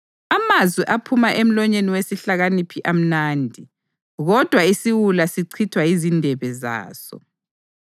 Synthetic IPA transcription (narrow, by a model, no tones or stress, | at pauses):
amazwiʔapʰumaʔem̩lɔɲeniwesiɬaɣanipʰiʔam̩naːndʱi | ɣɔd̥ʱwaisiɣulasiǀʰitʰwaizindʱɛβɛza̰ːsɔ̰